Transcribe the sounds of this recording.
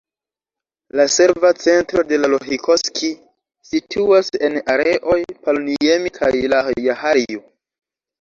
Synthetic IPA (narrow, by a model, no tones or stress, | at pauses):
lase̞ɾvat͡se̞ntɾo̞de̞laloɦikʰoskʰi | sitʰuase̞naɾe̞ʔo̞jpaloniemikʰajlajahaɾio